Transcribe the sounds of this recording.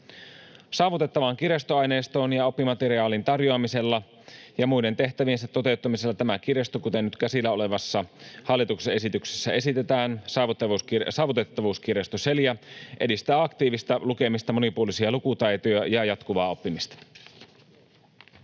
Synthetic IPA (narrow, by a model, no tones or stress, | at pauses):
sɑːʋut̪et̪ːɑʋɑŋkirjest̪oɑjneːst̪oːnjɑo̞pːimɑt̪eɾiɑːlint̪ɑrjoɑmise̞lːɑ | jɑmujde̞nt̪e̞ht̪æʋiensæt̪ːo̞t̪e̞ut̪ːɑmiselːɑt̪æmæk̟irjest̪okut̪enːyt̪kæsilːæole̞ʋɑsːɑhɑlːit̪uksee̞sit̪ykse̥sːæe̞sit̪e̞t̪æːnsɑːʋut̪ːɑʋusksɑːʋut̪et̪ːɑʋuːskirest̪oselijɑʔe̞dist̪æːɑkt̪iːʋist̪ɑluke̞mist̪ɑmo̞nipuolisiɑlukut̪æjt̪ojɑjɑjɑt̪kuʋɑ̰ːo̞pːimist̪ɑ̥